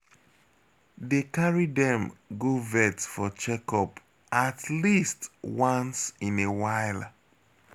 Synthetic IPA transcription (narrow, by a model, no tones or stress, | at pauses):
dekaɹidɛ̃mɡovɛtsfɔt͡ʃɛkɔp | atlistwãnsĩnewaɪl